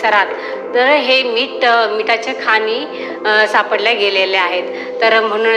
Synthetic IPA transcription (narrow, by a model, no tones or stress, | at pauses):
əɾat̪ː | əɾɦemiːʈmiʈat͡ɕekʰaniː | sapəɽljaɡeleleaɦet̪ːəɾm̤əɽ̃uː